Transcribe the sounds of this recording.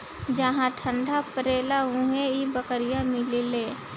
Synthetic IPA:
d͡ʒəɦãʈʰə̃ɳɖʱapəɾeːlaɦũeibəkəɾɪjamɪleleː

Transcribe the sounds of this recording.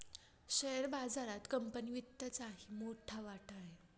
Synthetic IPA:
ɕəjəɾbad͡zaɾat̪kəmpəniʋit̪ːət͡saɦimoʈʰaʋaʈʰaɦe

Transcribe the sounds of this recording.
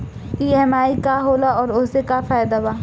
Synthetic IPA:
iːɛɦmaːikaɦoːlaɔːɾʊsekafaːjd̪abaː

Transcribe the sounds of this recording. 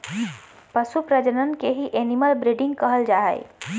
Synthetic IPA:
pəsupɾəd͡ʒənənkeɦiʔeniməlbɾiɖɪ̃ŋɡ̚kəɦəld͡ʒaːɦə̰j̰

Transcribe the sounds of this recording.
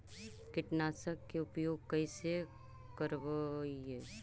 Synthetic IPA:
kɪʈnaːsəkːeʊpjoːɡ̚kɐise | kəɾbe

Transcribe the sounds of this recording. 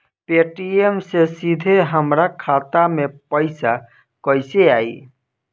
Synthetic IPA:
peʈiemsesid̪ʱeɦəmɾakʰat̪amepəɪsa | kəɪseaːḭ

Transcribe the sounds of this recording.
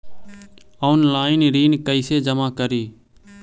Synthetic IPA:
oʊnlaːɪnɾiːnkəɪseːd͡ʒəmaːkəɾiː

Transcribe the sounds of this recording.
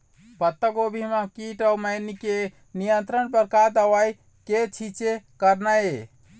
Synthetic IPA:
pət̪ːəkobʱimakiʈəwmajnike | nijənt̪ɾənpəɾkad̪əwaj | ket͡ʃʰit͡ʃekəɾnaje

